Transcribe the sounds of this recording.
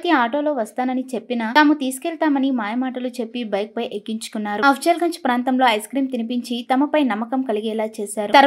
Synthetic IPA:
t̪iaːʈo̞ːlo̞ːʋɐst̪aːnɐnit͡ʃe̞pːinɐt̪aːmut̪iːsu̥kɛːɭt̪aːmɐnimaːjɐmaːʈɐlut͡ʃe̞pːibɐjk̚pɐjʔekːiɲt͡ʃu̥kunːaːɾuɐpʰʂeːlɡɐɲt͡ʃpɾaːnt̪ɐmlo̞ːɐjskɾiːmt̪inipiɲt͡ʃit̪ɐmɐpɐjnɐmːɐkɐmkɐliɡɛːlaːt͡ʃɛːʃaːɾut̪ɐɾ

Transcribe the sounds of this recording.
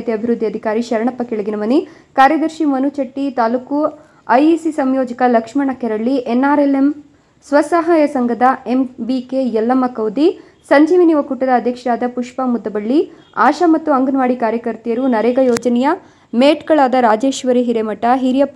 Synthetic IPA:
t̪eɐbʱiɾud̪ʱːiɐd̪ʱikaːɾiʃɐɾɐɳɐpːɐkeɭiɡinɐmɐni | kaːɾjɐd̪ɐɾʃimɐnut͡ʃɐʈːit̪aːluku | ɐjisisɐmjoːd͡ʒɐkɐlɐkʂmɐɳɐkɛɾɐɭːiʔenːaːɾelem | sʋɐsaːɦaːjɐsɐŋɡɐd̪ɐembikejɐlːɐmɐkɐwd̪i | sɐɲd͡ʒiːʋiniʋɐkuʈːɐd̪ɐːd̪ʱjɐkʂɐɾaːd̪ɐpuʂpɐmud̪ːɐbɐɭːi | aːʃɐmɐt̪ːuɐŋɡɐnʋaːɽikaːɾjɐkɐɾt̪ijɐɾunɐɾeːɡɐjɔːd͡ʒɐnɛjɐ | meːʈkɐɭaːd̪ɐɾaːd͡ʒe̞ːʃʋɐɾiɦiɾemɐʈːɐɦiɾjɐpː

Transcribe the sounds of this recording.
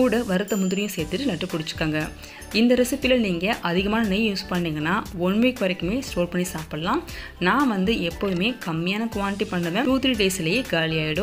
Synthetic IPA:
kuːɽɐʋɐɾɯt̪ːɐmʊnd̪ɪɾɪjʊ̃seːɾt̪ːɯʈːɯnɐʈːɯpːʊɽɪt͡ʃːɯ̥kːaːŋɡɐ | ɪnd̪ɐɾɪsɪpːɪlɐniːŋɡɐʔɐðɪɣɐmaːnɐnɛjjuːspɐɳːiːŋɡɐnːaːɔnːʋiːkːʋɐɾɐkːɯmeːsʈoːɾpɐɳːisaːpɐɽɐlãː | nãːʋɐnd̪ɯɛpːoːʋɯmeːkɐmːɪjaːnɐkʊʋaːnɪʈːipɐɳːɐʋẽːʈuːt̪ɾiɖeːsɪlɐjeːkaːlɪjaːjɪɽʊ̃

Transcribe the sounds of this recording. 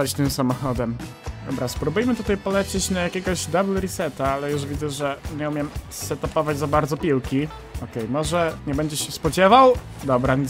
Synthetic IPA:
at͡ɕt̪ɘmsamɔxɔd̪ɛm | ɔ̰bɾaspɾubujmɘt̪ut̪ajpɔlɛt͡ɕet͡ɕnajakʲɛɡɔʑd̪ablɾisɛt̪aalɛjuʐvʲid̪zɛʐɛɲɛumʲjɛmsɛt̪ɔpɔvad͡ʑʲzabaɾd̪zɔpʲiwkʲi | ɔkɛjmɔʐɛɲɛbɛɲd͡ʑɛɕɛspɔd͡ʑɛvaw | d̪ɔbɾa

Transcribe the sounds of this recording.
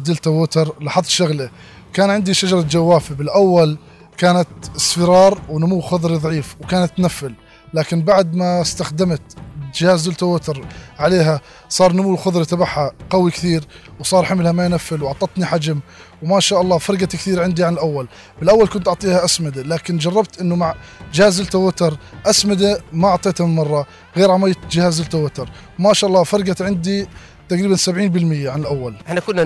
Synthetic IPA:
d̪ɪlt̪awʊt̪ɑɾˤlɑħɑðˤʃʊɣla | kaːnʕɪnd̪iʃad͡ʒɑɾˤɑd͡ʒawːaːfabɪlʔawːal | kaːnat̪sˤfɪɾɑːɾˤwnʊmuwːxʊðˤɾiðˤɑʕiːfwkaːnat̪ːnafːɪlː | aːkɪnbaʕd̪mast̪axd̪amt̪d͡ʒɪhaːzd̪ɪlt̪awʊt̪ɑɾˤʕaleːɦa | sˤɑːɾˤnʊmuwxʊðˤɾit̪ɑbaħaqɑwikθiːɾ | wsˤɑːɾˤħamɪlhamajnafːɪlwʔɑʕt̪ˤɑt̪niħad͡ʒam | wmaʃaːʔɑlˤːɑːfɑɾˤɡakθiːɾʕɪnd̪iʕanɪlʔawːal | bɪlʔawːalkʊnt̪ʔʊʕt̪ˤiːhaʔasmɪd̪alaːkɪnd͡ʒɑrˤːɑbt̪ʔɪnːʊmaʕd͡ʒɪhaːzɪlt̪awat̪ɑɾˤʔasmɪd̪amaʔʊʕt̪ˤeːt̪hamɪnmɑrˤːɑ | ɣeːɾʕamajːt̪d͡ʒɪhaːzːɪlt̪awat̪ɑɾˤ | wmaʃaːʔɑlˤːɑːfɑɾˤɡat̪ʕɪnd̪i | t̪aqɾiːbansabʕiːnbɪlmɪjːaʕanɪlʔawːalʔɪħnakʊnː

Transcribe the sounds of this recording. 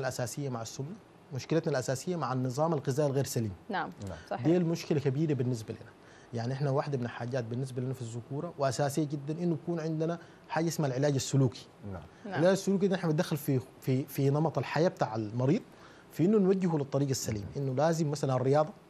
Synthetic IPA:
alʔasaːsɪjːamaʕasːumːa | mʊʃkɪlat̪nalʔasaːsijːamaʕanːɨzˤɑːmalɣɪzaːʔalɣeːɾsaliːm | d̪eːlmuʃkilakabiːɾabinːis̬balḭna | jaʕniʔɪħnawaːħd̪amɪnalħaːɟaːt̪̚binːis̬balinafizːʊkuːɾˤɑwɪʔasaːsijːaɟid̪ːanʔinːubakuːnʕɪnd̪ana | ħaːɟaʔɪsmalʕɪlaːɟasːʊluːki̥ | ʕɪlaːɟasːuluːk̬id̪ʔɪħnabit̪d̪axːalfi | fifinɑmɑt̪ˤalħajaːb̚t̪aːʕalmɑɾiːd̪ˤ | fiʔinːunwaɟːɪɦulɨt̪ˤːɑɾiːɡasːalḭːmaʔinːulaːzimːasalanrːɪjɑːd̪ˤɑ

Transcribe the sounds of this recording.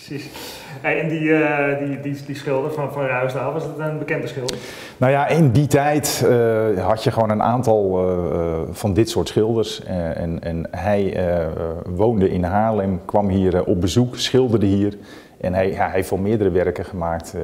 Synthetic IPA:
sis | eɪndiədididisχɪlˠdəfɔnfɔnraɥsdaʋɑsdɪtənbəkɛndəsχɪlˠd | nowjaɪnditɛjt | hɑtjəxʋoːwnənʔa̰ːntɑlˠ | fɔndɪtsʊːtsxɪlˠdərs | ɛnɦɛj | ʋoːndəʔɪnɦaːlɛmkʋɑmɦiərɔp̚bəzuksxɪlˠdərdəɦiːər | ʔɛnɦɛjjaɦeftʋɔlˠmɪədərəʋɛrkəχəmaːk̚t

